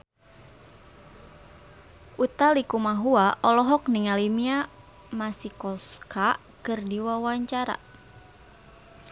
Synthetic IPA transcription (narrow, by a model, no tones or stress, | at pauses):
ʔut̪alikumaɦuaʔɔlɔɦɔk̚nɪŋalimia | masikɔska | kɨrdiwawaɲt͡ʃaɾa̰